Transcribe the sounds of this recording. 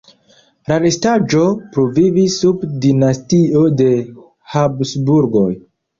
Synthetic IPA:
ɾaɾestad͡ʒo̞pɾovivisːubdinastio̞de̞ | habsbuɾɡo̞j

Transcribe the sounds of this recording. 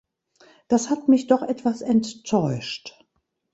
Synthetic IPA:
d̥ashatmɪçd̥ɔχʔɛtv̥asɛnttʰɔʏʃt

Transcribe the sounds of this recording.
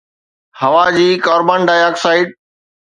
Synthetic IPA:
hɐʋad͡ʑiːkaːɾbaːnɖaːjaːksaːɪʈ̚

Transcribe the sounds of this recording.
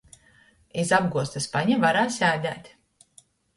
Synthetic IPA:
izab̚ɡuɔst̪aspaɲavaɾaːsʲæːd̪ʲæ̰ːt̪ʲ

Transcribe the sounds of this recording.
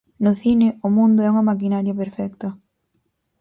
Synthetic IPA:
nʊθinɪʊmũnd̪ʊɛuŋɐmak̬inaɾjɐpeɾfɛkt̪ɐ

